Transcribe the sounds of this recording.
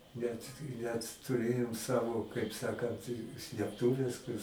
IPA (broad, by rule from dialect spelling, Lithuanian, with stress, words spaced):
nʲɛt nʲɛt tʊˈrʲeːjoːm ˈsɑːʋoː kɐɪp ˈsɑːkɐnt sʲlʲeːpˈtʊʋʲɛs kʊr